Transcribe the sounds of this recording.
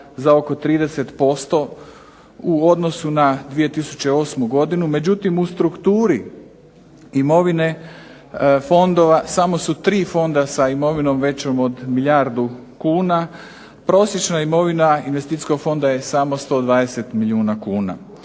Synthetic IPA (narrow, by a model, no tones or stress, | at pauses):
zao̞ko̞t̪ɾiːd̪e̞se̞t̪po̞st̪o̞ | uo̞d̪no̞sunad̪ʋije̞t̪isu̥t͡ɕe̞o̞ːsmuɡo̞d̪inume̞d͡ʑut̪imust̪ɾukt̪uːɾi | imo̞ʋine̞ | fo̞nd̪oʋasamo̞sut̪ɾiːfo̞nd̪asaimo̞ʋino̞mʋe̞t͡ɕo̞mo̞d̪milʎʲaɾd̪u | kuːna | pɾo̞sje̞t͡ʃnaimo̞ʋinainʋest̪it̪isko̞ɡfo̞nd̪ajesamo̞st̪o̞ːd̪ʋaːd̪e̞se̞t̪miliuːnakuːna̰